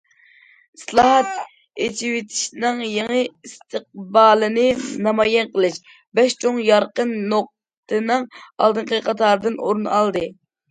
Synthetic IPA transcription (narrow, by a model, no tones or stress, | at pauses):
islˠɑːɦɑt̪̚ | et͡ʃʰiwɪt̪ʰɪ̥ʃnɨŋjeŋɨist̪ʰɨq̚bɑːlˠɨnɨnɑmɑjɛnqəlˠɨʃ | bɛʃt͡ʃʰoŋjɑɾqənːoq̚ | t̪ʰɨnɨŋɑ̰lˠd̪ɨɴqəqʰɑt̪ʰɑːɾɨd̪ɨnoɾunɑlˠd̪ɨ